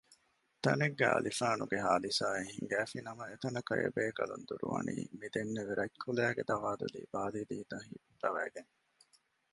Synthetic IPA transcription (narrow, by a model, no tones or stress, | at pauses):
t̪ɐneɡːæ̰ɐlifaːnuɡeɦaːd̪isaːeɦiŋɡæːfinɐmɐet̪ɐnɐkɐjɐ̰beːkɐlund̪uɾuʋɐ̰nḭːmid̪enːeʋeɾɐkʰːulæːɡed̪ɐʋaːd̪ṵlḭːbaːliːd̪iːt̪ɐɦiːut̪ɐʋæːɡen